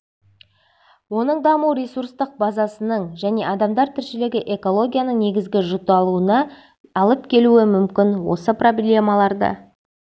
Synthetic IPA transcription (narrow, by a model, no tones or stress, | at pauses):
wo̞nəɴd̪ɑmuɾʲe̞surst̪əq̚bɑzɑsənəɴʒæne̞ʔɑd̪ɑmd̪ɑɾt̪ʰɪɾʃɪleɡʲɪʔe̞ko̞lˠo̞ɡʲijanəɴne̞ɡʲɪzɡʲɪʒʊt̪ɑlˠuənɑ | ɑlˠəp̚kʲʰe̞luɪmʏmkʲɪnwo̞̰səpro̞blʲe̞mɑlˠɑɾd̪ə̰